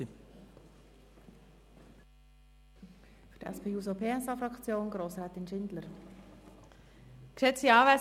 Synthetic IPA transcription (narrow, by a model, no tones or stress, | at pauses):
fydɛ̰spʰeːuːsopʰeːɛsɑfɾɑkt͡sjoːnɡɾoːsɾɛːt̪ɪnʃɪndləɾ | kʃɛt͡siɑːvæ